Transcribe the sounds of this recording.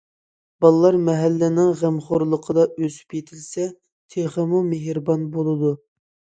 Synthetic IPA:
b̥ɑlˠlːˠɑɾmɛɦælːɪnɪŋʁæmχoɾlˠəqʰəd̪ɑøzy̥pjet̪ʰɪlsɛ | t̪ʰeχəmumeɦɾbɑnbolˠɨd̪u

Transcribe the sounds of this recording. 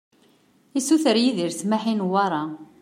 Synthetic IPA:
isuθəɾjiðiɾsmaħinwɑɾˤɑ

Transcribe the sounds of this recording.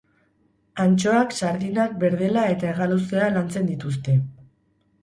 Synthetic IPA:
ant͡ʃo̞aksaɾðinak̚be̞ɾðe̞lae̞t̪ae̞ɣalusealant͡se̞nd̪it̪ust̪e̞

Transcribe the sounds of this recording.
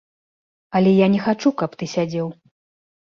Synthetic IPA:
ɐlʲɛjanʲɛxat͡ʂukɐpt̪ɨsʲad͡zʲɛw

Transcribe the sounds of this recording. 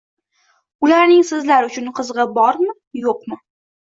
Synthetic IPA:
ʊlaɾnɪŋsɪzlaɾʊt͡ʃʰʊnqʰɨzʁɨbɒɾmɪ | joqmɪ

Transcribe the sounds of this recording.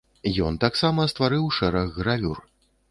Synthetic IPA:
jɔnt̪aksamɐst̪vaɾɨwʂɛɾɐɣːɾavʲur

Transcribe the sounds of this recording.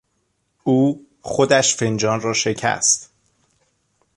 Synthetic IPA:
uː | xod̪æʃfe̞nd͡ʒɒːnrɒːʃe̞cʰæ̰st̪

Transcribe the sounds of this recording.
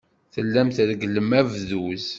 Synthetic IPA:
θəlːæmθðɡəlːəmævðuz

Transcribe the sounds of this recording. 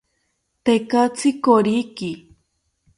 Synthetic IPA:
t̪ekat͡sʰikoɾiki

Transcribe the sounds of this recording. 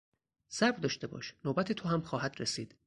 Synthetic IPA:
sæɾbd̪ɒːʃt̪e̞bɒ̰ːʃnoːbæt̪ʰet̪ʰoɦæmxɒːɦæd̪ɾesiːd̪̥

